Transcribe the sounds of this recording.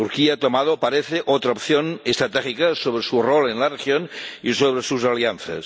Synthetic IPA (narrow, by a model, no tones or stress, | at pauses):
t̪uɾkiat̪omað̞opaɾeθeʔot̪ɾaop̚θjonest̪ɾat̪exikasoβɾesurolenlarexjonisoβ̞ɾesusalianθa̰s